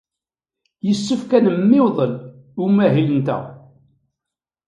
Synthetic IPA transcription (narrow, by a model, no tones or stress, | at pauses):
jəsːəfkænəmːɪwðˤəl | umæɦilənt̪æ̰